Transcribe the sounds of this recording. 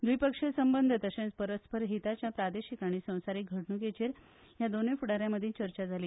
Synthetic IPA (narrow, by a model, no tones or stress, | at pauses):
d̪ʋuipəkʂesəmbənd̪ʱət̪əsẽnt͡spəɾəspəɾɦit̪at͡ɕjapɾad̪eɕikaɽ̃iːsə̃w̃saɾiːk̚ɡʱəʈnuːket͡ɕeɾ | jad̪onẽfuɽaɾjaməd̪ʱit͡ɕəɾt͡ɕad͡zʱaliː